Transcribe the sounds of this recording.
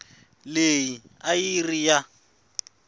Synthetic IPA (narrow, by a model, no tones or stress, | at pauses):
leji | ajirija